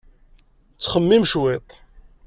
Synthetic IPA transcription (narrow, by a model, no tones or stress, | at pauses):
t͡sːχəmːimʃwɪt̪ˤ